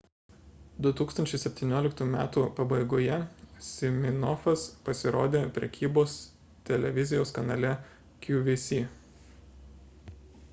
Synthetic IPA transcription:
d̪ʊt̪uːkst̪ɐnʲt͡ʃʲɛɪsʲɛpʲt̪ʲiːnʲoːlʲɪkt̪umʲæːt̪uːpɐbɐɪɡoːjɛsʲɪmʲɪnɔfɐspɐsʲɪɾo̰ːd̪ʲeːpʲɾʲɛ̰kʲiːboːs | t̪ʲɛlʲɛʋʲɪzʲɪjoːskɐnɑːlʲɛ | kʲjuʋʲɪsʲiː

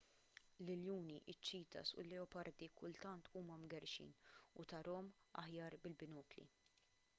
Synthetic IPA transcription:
lɪljuːniʔɪt͡ʃːiːt̪ɐ̰sʊ̰lːɛɔpɐɾd̪ikʰʊlt̪ɐnt̪ʰuːmɐmɡɛɾʃḭːnʊt̪ɐɾɔːmɐ̰ħjɐːɾbɪlbɪnɔːklḭ

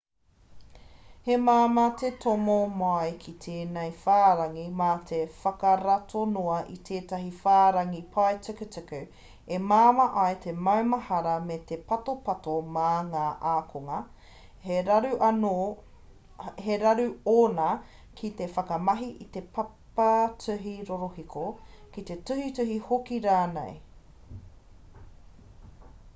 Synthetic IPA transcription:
hemaːmɐtetʰomomoɐjkʰit̪ʰeːnejfaːɾɐŋimatʰefɐkɐɾɐtʰonoɐʔit̪ʰeːtɐɦifaːɾɐŋipʰaetekətʉkʉ | emaːmɐʔɐjt̪ʰemɐwmɐhɐɾɐmetepɐtopɐtomaŋaːʔaːkʰoŋɐ | heɾɐɾʉʔɐno | heɾɐɾʉoːnɐ | kʰit̪e̞fɐkɐmɐɦiʔit̪e̞pʰɐpɐt͡sʉɦiɾoɾohikʰokit̪e̞tʉhitʉɦihokiɾaːnḛj

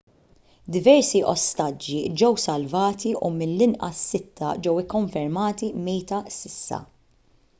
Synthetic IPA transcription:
d̪ɪvɛɾsiʔɔst̪ɐd͡ʒːid͡ʒɛwsɐlvɐːt̪iʔumɪnːɪnʔɐsːɪt̪ʰːɐd͡ʒɛwɪkːɔɱfɛɾmɐːt̪imɛjt̪ɐsɪsːɐ̰

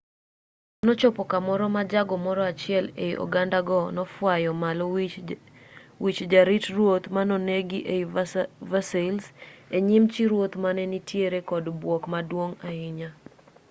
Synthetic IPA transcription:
nɔt͡ʃɔpɔkamɔɾɔmad͡ʒaɡɔmɔɾɔat͡ʃɪɛlḛʔo̰ɡandaɡɔnɔfwajɔmalɔ | wit͡ʃd͡ʒaɾitrwot̪manɔneɡiʔe | vaselseɲɪmt͡ʃiɾwot̪manɛnitjeɾekɔdbwɔkmadwoŋaɪɲa

